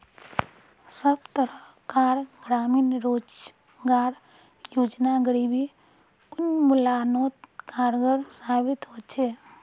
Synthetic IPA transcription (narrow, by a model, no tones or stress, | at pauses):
səbt̪əɾə | kaːɾɡɾaːmiːnɾoːd͡ʒ | ɡaːɽ | joːd͡ʒnaɡəɽibʱi | ʊnmʊlanoːt̪kaːɾɡəɾsaːbɪt̪ɦot͡ʃʰe